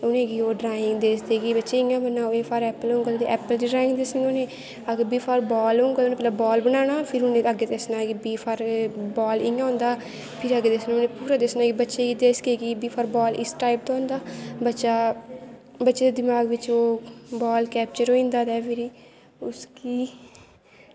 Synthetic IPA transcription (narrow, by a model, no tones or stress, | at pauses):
ʊnẽːɡiːoːɖɾaːɪŋɡd̪eːsd̪eːɡiːbətːʃeːɪ̃ːãːbənːaːoeːpʰaːɾɛːpəlõːŋɡəlt̪ḛʔɛːpəld͡ʒiːɖɾaːɪ̃ŋɡd̪eːsɪonẽː | əɡbiːpʰaːɾbɔːlõːŋɡəlʊnẽːpɛːlaːbɔːlbənaːñaːpʰɪɾʊnẽːəɡeːt̪esnaːɡibiːpʰaːɾbɔːlɪãːʊ̃ːnd̪aː | pʰɪɾəɡeːd̪eːsnãneːpuːɾaːd̪eːsnaːɡibətːʃeːɡid̪eːsɡeːɡiːbiːpʰaːɾbɔːlɪ̰sʈaːɪp̚t̪ãːnd̪aːbətːʃaː | bətːʃeːd̪eːd̪ɪmaːɡʋɪt͡ʃoːbɔːlkɛːp̚t͡ʃəɾoːĩːnd̪aːd̪ɛːpʰɪɾiː | ʊskiː